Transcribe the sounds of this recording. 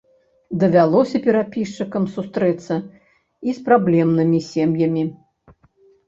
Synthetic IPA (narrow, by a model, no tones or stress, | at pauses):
d̪ɐvʲalˠɔsʲɐpʲɛɾapʲiʂt͡ʂɨkɐmsust̪ɾɛt̪sːɐ | ispɾablʲɛmnɨmʲisʲemjɐmʲi